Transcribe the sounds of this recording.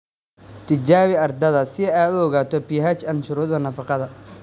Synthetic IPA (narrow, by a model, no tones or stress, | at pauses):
t̪ʰɪt͡ʃaːβɪɐrd̪ɐðɐsɪaːd̪uɔɣaːt̪ʰɔpiːɦɐt͡ʃɐnʃʊɾuːðɐnɐfɑqɑðɐ